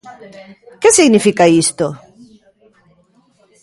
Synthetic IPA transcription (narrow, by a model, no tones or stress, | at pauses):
kesiɣnifikaist̪o